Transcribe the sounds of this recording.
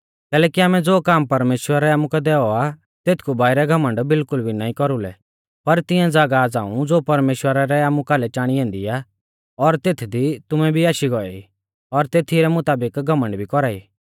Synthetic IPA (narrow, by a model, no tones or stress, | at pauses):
kɛːlɛːkiaːmɛd͡zoːkaːmpɐɾmeːʃwəɾɛaːmũkɛd̪ɛːɔa | t̪eːt̪ʰkʰubaːɪɾɛɡʱɐmə̃ɳɖbɪlkʊlbʱinaːĩkɔɾulɛ̰ | pɐɾt̪ɪjãd͡zaːɡaːd͡zaːũd͡zoːpɐɾmeːʃwəɾaɾɛaːmũkaːlɛt͡ʃaːɽ̃iɛ̃ːnd̪ḭa | ɔɾt̪eːt̪ʰd̪it̪ʊmɛbʱiaːʃiɡɔɛ̰i | ɔɾt̪eːt̪ʰiɾɛmʊt̪aːbɪkɡʱɐmə̃ɳɖbʱikɔɾaːḭː